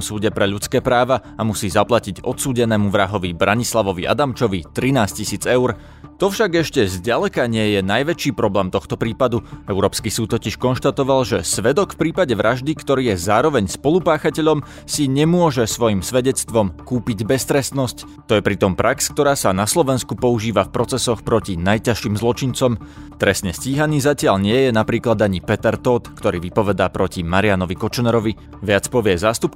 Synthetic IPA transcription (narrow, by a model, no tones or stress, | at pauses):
msuːɟɛpɾɛʎut͡skɛːpɾaːʋaamusiːzaplaciɟɔt̪suːɟɛnɛːmuʋɾaɦɔʋibɾʔaɲislaʋɔʋḭʔa̰d̪amt͡ʃɔʋit̪ɾinaːscisiːd͡zɛʊɾ | t̪ɔfʃaɡɛʃcɛzɟalɛkaɲɪɛjɛnajʋɛt͡ʃiːpɾɔblɛːmt̪ɔxt̪ɔpɾiːpad̪uɛʊɾɔːpskisuːt̪ːɔciʃkɔnʃt̪at̪ɔʋalʒɛsʋɛd̪ɔkfpɾiːpaɟɛʋɾʔaʒd̪ikt̪ɔɾiːjɛzaːɾɔʋɛɲspɔlupaːxacɛʎɔm | siɲɛmʊɔʒɛsʋɔjimsʋɛɟɛt͡st̪ʋɔmkuːpiɟbɛst̪ɾɛst̪nɔsc | t̪ɔjɛpɾit̪ɔmpɾʔaksk̚t̪ɔɾaːsanaslɔʋɛnskupɔuʒiːʋafpɾɔt͡sɛsɔxpɾɔcinajcaʃiːmzlˠɔt͡ʃint͡sɔmt̪ɾɛsɲɛsciːɦaniːzacɪaʎɲɪɛjɛnapɾiːklad̪aɲipɛt̪ɛɾt̪ɔːt̪kt̪ɔɾiːʋipɔʋɛd̪aːpɾɔcimaɾianɔʋikɔt͡ʃnɛɾɔʋi | ʋɪat͡spɔʋɪɛzaːst̪up̚